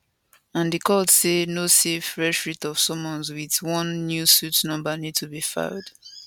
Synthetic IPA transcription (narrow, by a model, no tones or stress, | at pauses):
ãndikʰɔdsenosefɹɛstɹitɔv̥sɔ̃mɔ̃nzwiðwɔ̃nːjusutnʌ̃mbənid̚tʰubifã̰ʊd̥